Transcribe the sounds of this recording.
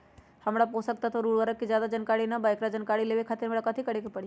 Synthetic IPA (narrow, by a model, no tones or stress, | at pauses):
hɐmɽaposək̚t̪at̪oɾuːɽʋəɾək̚kːizjaːd̪ad͡ʒənkaːɽinabaːɪkɾad͡ʒənkaːɽileːʋekʰaːt̪ɪɾɦəmɽakɐt̪ʰikɐɽekepɐɽi